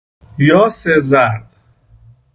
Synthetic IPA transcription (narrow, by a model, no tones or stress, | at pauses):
jɒːsezæɾd̪̥